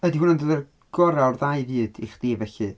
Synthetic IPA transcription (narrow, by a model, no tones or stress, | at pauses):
ədiɦuːnəndoðɛr | ɡ̥ɔɾarðajvɨːd̥iχd̥iːvɛɬɨ